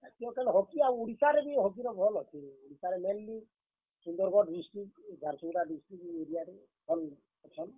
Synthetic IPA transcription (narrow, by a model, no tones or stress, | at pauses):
akiɔ̃kalɔɦɔkiaw̃uɽisaɾebiɦɔk̬iɾɔbʱɔlɦɔt͡ʃʰiuɽisaɾemelːi | sund̪ɔɾɡɔɖɖisʈik̚d͡ʒaɾsuɽaɖisʈɾik̚eɾijaɾe | bʱɔl | ɔt͡ʃʰɔn